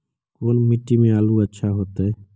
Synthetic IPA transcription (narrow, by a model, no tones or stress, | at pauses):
koːnmɪʈːimẽaːluətːʃʰaɦoːt̪eː